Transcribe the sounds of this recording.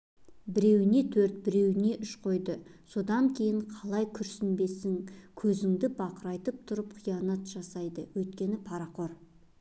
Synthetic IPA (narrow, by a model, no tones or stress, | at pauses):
bɪɾe̞wɪne̞t̪ʰɵɾt̪̚bɪɾe̞wɪne̞ʔʏʃqʰo̞jd̪əso̞d̪ɑŋkʲʰe̞jɪɴqʰɑlˠɑjkʲʰʏɾsɪnbe̞sɪŋkʲʰɵzɪŋd̪ɪbɑqəɾɑjt̪əp̚t̪ʰʊɾəp̚qʰijɑnɑt̪ʒ̥ɑsɑjd̪əwɵjt̪̚kʲe̞nɪpʰɑɾɑqo̞ɾ